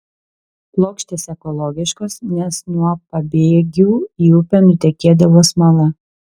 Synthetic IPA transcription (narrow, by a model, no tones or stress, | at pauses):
plˠoːkʃʲt̪ʲeːsɛkɔlˠɔɡʲɪʃkoːsnʲɛsnuɔpɐbʲeːɡʲuːiːʊpʲɛnʊt̪ʲɛkʲeːd̪ɐʋoːsmɐlˠɐ